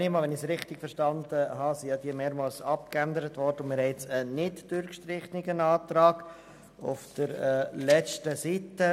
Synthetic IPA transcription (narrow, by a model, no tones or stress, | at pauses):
nɪmɑːʋɛnɪsɾɪχt̪ɪɡ̥fəɾʃtɑnd̪əɦɑːsijɑd̥̪iːəmeːɾmɑlsɑp̚kænd̪əɾətʋɔɾdəʊnmɪːɾhɛɪt͡sənːɪtd̥øɾkʃtɾɪχnɪɡənɑːt̪ɾɑːɡ̥ | ʊ̰fd̥əɾlɛt͡ʃtəsitə